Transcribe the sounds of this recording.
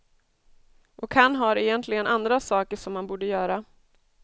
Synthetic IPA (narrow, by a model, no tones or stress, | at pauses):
ʔɔkhanːɦaɾɛjɛnt̪ʰlɪɡənʔand̪ɾasɑːkəʂɔmːanbuːɖəjœːɾa